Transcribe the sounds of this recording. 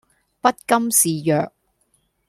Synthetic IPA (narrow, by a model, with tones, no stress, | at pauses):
pɐ˥t̚kɐ˥msiː˨jœː˨k̚